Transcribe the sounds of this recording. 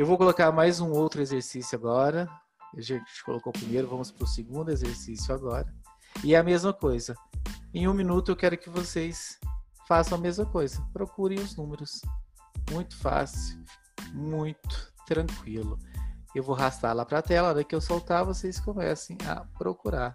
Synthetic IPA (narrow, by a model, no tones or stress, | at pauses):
ewvowkolokaɾmajzũowt̪ɾʊezeɾsisjʊaɡɔɾɐ | aʒẽt͡ʃɪ̥ɪ̥ko̰lokowpɾimejɾʊvɐ̃mʊspɾʊseɡũnd̪ʊezeɾsisjʊaɡɔɾɐ | ɪɛɐmezmɐkojzɐẽũmĩnut̪ʊewkɛɾʊkɪvoses | fasɐ̃w̃ɐmezmɐkojzɐpɾokuɾẽj̃ʊznũmeɾʊs | mũj̃t̪ʊ̥fa̰siw | mũj̃t̪ʊ̥t̪ɾɐ̃kwilʊewvoɦast̪a̰lapɾɐt̪ɛlɐd̪ɐkɪewsawt̪avosejskomɛ̰sẽj̃ɐ̰pɾokuɾaɾ